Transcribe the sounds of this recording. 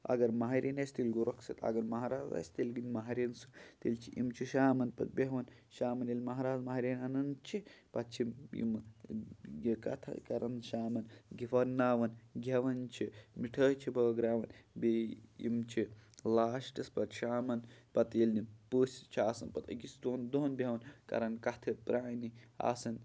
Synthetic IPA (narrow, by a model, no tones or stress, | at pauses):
ɐ̰ɡɐɾmɐɦɐɾʲenɐsʲt̪ilʲɡuɾɐksɐt̪ɐ̰ɡɐɾmɐɦaɾaːzɐ̰sʲt̪ilɡinʲmɐɦɐɾʲensu̥t̪ilt͡ʃʰiʔimt͡ʃʰiʃaːmɐnpɐ̰t̪̚beɦʋɐn | ʃaːmɐnɐlʲmɐɦaɾaːzmɐɦɾʲenɐnɐnt͡ʃʰipɐt̪̚t͡ʃʰimḭm | kɐ̰t̪ʰɐ̰kɐɾɐnʃaːmɐnɡifɐɾnaːʋɐnɡʲʱɐʋɐnt͡ʃʰimiʈʰəːt͡ʃʰibɐːɡɾaːʋɐnbeḭmt͡ʃʰilaːʃʈispɐt̪ʃaːmɐnpɐt̪iːlʲnipəːsʲt͡ʃʰiaːsɐnpɐt̪ɐ̰ɡʲisʲd̪oːnd̪oːnbʲeɦʋɐnkɐ̰ɾɐnkɐt̪ʰɐpɾʔaːnia̰ːsɐn